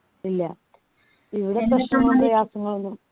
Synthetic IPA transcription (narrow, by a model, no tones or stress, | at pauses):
ilːɐ | iʋiɽe̞pɐʂɐmːɐprɐjaːsɐŋːɐɭonːum